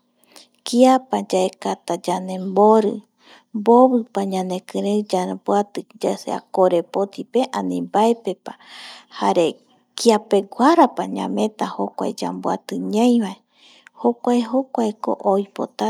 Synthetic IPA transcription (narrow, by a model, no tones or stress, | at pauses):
kiapad͡ʒaekat̪ad͡ʒanẽmboɾɨ | mboβɨpaɲãnẽ̞kɨ̃ɾed͡ʒanpwat̪ɨd͡ʒasea̰koɾe̞pot̪ipeʔãnĩmbaepe̞pahaɾe̞ | kiapeɡʷaɾapaɲã̰mẽ̞t̪ahokʷa̰ed͡ʒa̰mbwa̰t̪ɨɲãj̃βae | hokʷaeɦokʷaeko̰ʔojpo̰t̪a